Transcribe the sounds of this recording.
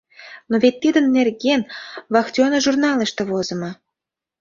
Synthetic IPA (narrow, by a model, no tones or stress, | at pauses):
noβet̪ːid̪ə̆nːerɣenβɑxt̪ʲonəʒurnɑlə̆ʃt̪ĕβozə̆mɤ̆